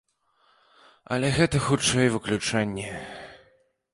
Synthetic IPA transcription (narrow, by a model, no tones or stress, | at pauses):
ɐ̰lʲɛɣɛt̪ɐxut͡ʂːɛjvɨklʲut͡ʂanʲːɛ